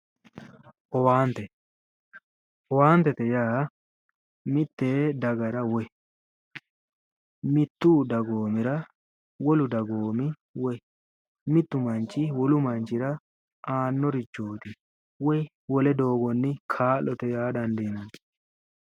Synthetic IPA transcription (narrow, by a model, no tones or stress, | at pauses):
ʔɔwaːnt̪ɛ | ɔwaːnt̪ːɛt̪ɛjaː | mɪt̪ːeːd̪ɐɡɐɾɐwɔ | mɪt̪ːud̪ɐɡoːmɪɾɐ | wɔlʊd̪ɐɡoːmɪ | wɔ | mɪt̪ːʊmɐnt͡ʃːɪwɔlʊmɐnt͡ʃːɪɾɐ | aːnːɔɾɪt͡ʃːoːt̪ɪ | wɔj | wɔlɛd̪o̞ːɡɔnːɪkʰaːlːɔt̪ɛjaːd̪ɐnd̪inɐn